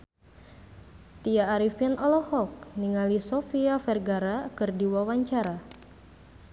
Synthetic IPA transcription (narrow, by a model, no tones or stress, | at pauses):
t̪iaːɾifinɔlɔhɔk̚niŋalisofiafɛrɡaɾakɨrdiwawaɲt͡ʃaɾa